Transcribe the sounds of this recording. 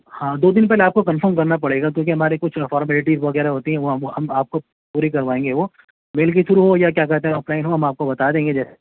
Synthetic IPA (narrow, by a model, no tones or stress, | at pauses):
hãːd̪oːd̪ɪnpɛɦleaːp̚kokɐnfəɾmkɐɾnapɐɽeːɡak̬jõːk̬iɦɐmaːɾekʊt͡ʃʰfɔːɾmɛːlɪʈiʋɐɣɛːɾaɦoːt̪iɦɛ̃ʋoɦmɦɐmaːp̚ko | puːɾikɐɾʋaːẽːŋɡeʋoː | meːlk̬iʃʊɾuɦojak̬jaːkɛɾt̪ẽɦɛ̃ɔːplaːɪnɦoɦɐmaːp̚kobɐt̪ad̪ẽːŋɡed͡ʒɛːs